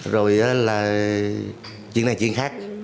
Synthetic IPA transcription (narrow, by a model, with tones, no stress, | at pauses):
zo˨˩jʔaː˨˦laː˨˩ | t͡ɕwḭ˧˨na˨˩jt͡ɕwḭ˧˨əŋxaː˦˥k̚